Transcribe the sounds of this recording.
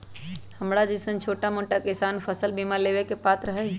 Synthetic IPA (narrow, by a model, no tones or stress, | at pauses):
həmɽad͡ʒɪsənt͡ʃʰoːʈamoʈakɪsanpʰəsəlbimalebekepat̪ɾəɦɛ